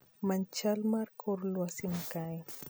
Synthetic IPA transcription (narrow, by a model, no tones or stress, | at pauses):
mant͡ʃalmaɾkʰoɾlwasɪmkaj